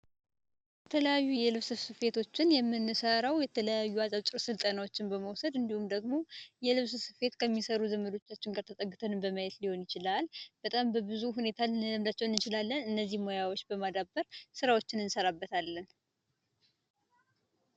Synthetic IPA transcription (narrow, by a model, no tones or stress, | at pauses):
bɛt̪ʰələjajːujɛlɨβsɨβsɨfe̞t̪ʰo̞t͡ʃːɪnjɛmːɨnːɨsəɾawjɛt̪ʰələjajːuazʼat͡ʃʼɪɾsɨlt̪ʼənawo̞t͡ʃːɪnbəməwsəd̪ɨnd̪ihumd̪əɡmo̞jɛlɨβsɨsɨfe̞t̪kʰəmːisəɾuzəməlo̞t͡ʃːat͡ʃːɪŋɡaɾt̪ʰət̪ʼəɡːɨt̪ʰənɨmbəməjɛt̪liho̞njɪt͡ʃɪlalbət̪ʼambəbɨzuɦune̞t̪ʰalɨəmd̪at͡ʃːɛwɨnːɨt͡ʃɪlalːənɨnːəzːihmojawot͡ʃːbəmad̪abəɾsɨɾawo̞t͡ʃːɪnɨnsəɾabːət̪ʰalːən